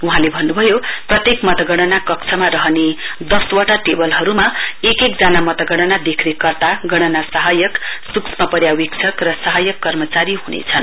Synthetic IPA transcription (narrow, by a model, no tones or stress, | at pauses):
uɦãlebʱʌnːubʱʌjoprʌt̪jekmʌt̪ʌɡʌɽ̃ʌnakʌkt͡sʰʌmaɾʌɦʌned̪ʌswaʈaʈebʌlɦʌɾumaekekd͡zanamʌt̪ʌɡʌɽ̃ʌnad̪ekʰnekʌrt̪aɡʌɽ̃ʌnasʌɦajʌksuksʰmapʌɾjawikt͡sʰʌkrʌsʌɦʌjʌkːʌrmʌt͡saɾiɦunḛt͡sʰʌn